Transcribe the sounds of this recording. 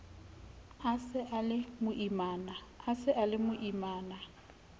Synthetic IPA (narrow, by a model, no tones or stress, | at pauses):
asɪʔalɪmʊʔimaːnaːsɪʔalɪmʊʔimaːna